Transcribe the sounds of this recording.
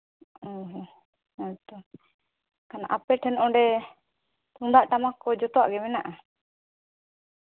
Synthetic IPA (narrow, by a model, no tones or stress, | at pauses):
ɔɦ | t̪ɔ | kanaʔapɛʈʰɛnʔɔ̃ɖɛ | t̪uŋd̪aʔʈamakɔd͡ʒɔt̪ɔwa̰ʔɡɛmɛnaʔa